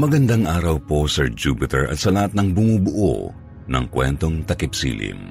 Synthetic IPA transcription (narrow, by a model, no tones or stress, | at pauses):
mɐɡɐnd̪aŋʔaːɾɐwposɛɹd͡ʒupɪt̪ɛɹʔɐ̰t̪sɐlɐhat̪̚nɐŋbʊmubʊʔo̰ | nɐ̰ŋkwɛ̰nt̪o̞ŋt̪ɐkɪpsḭːlɪ̰m